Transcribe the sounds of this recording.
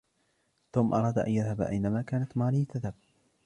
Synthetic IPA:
t̪uːmʔɑɾˤɑːd̪ʔa̰njaðhabʔa̰jnamaːkaːnat̪maːlɪt̪aðhab̚

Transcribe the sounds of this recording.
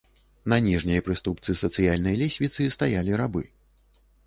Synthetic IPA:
nɐnʲiʐnʲijɐpɾɨst̪upt̪sɨsɐt̪sɨjalʲnɐjɐlʲesʲvʲit̪sɨst̪ajalʲiɾabɨ

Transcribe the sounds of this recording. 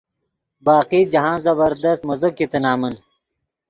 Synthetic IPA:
baːqiːd͡ʑɐɦãːzɐbɐɾd̪ɐst̪̚mɐzokːit̪ɐnaːmɐn

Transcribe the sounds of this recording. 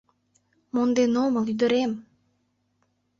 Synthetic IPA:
mond̪enoməlˠyd̪ø̆ɾem

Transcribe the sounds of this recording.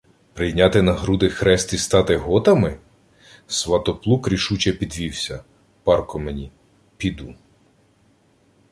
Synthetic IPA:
pɾɪjnʲɑt̪ɪnɐɦɾud̪ɪxɾɛst̪ist̪ɑt̪ɪɦɔt̪ɐmɪ | sʋɐt̪ɔplˠukɾʲiʃut͡ʃɛpʲid̪ʋʲiwsʲɐ | pɑrkɔmenʲi | pʲid̪u

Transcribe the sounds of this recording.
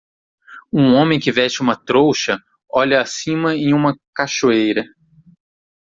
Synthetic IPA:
ũõmẽj̃kɪvɛʃt͡ʃɪũmɐt̪ɾowʃɐ | ɔʎɐːsĩmɐẽj̃ũmɐkaʃoejɾɐ

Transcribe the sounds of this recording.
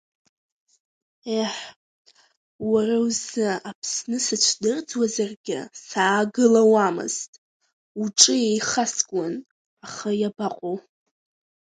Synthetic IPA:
eħ | warawzɨapʰsnɨsɨt͡ʃʷʰdɨrd͡zwazarɡʲɪ̰saːɡɨlawamɨ̰z̥tʼ | uʈ͡ʂʼɨjejχasɡʷʼan | aχajabaqʷʼow

